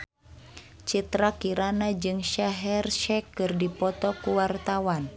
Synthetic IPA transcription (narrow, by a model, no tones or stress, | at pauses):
t͡ʃit̪ɾakiɾanad͡ʒɨŋʃaɦɛrʃɛkːɨrdipɔt̪ɔkuwart̪awan